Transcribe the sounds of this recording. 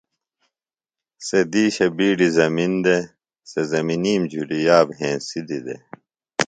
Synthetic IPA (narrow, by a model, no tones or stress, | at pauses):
sed̪iːɕɐbiːɖizɐmind̪e | sezɐminiːmd͡ʑʱuɽijaːbɦẽːsid̪id̪ḛ